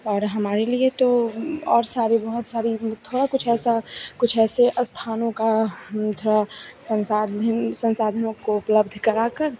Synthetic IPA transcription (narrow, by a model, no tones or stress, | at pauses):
ɔːɾɦɐmaːɾeliet̪oɔːɾsaːɾibɐɦʊt̪saːɾit̪ʰoːɽakʊt͡ʃʰɛːsakʊt͡ʃʰɛːseʔɐst̪ʰaːnõkat̪ʰoːɽasɐ̃nsaːd̪nsɐ̃nsaːd̪ʱənõkoʊpləb̚d̪ʱkɐɾaːkɐɾ